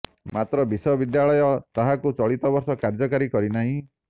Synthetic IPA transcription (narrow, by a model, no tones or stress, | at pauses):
mat̪ɾɔbisɔbid̪jaɭɔjɔt̪aɦakut͡ʃɔɭit̪ɔbɔɾsɔkaɾd͡ʒɔkaɾikɔɾinaɦĩ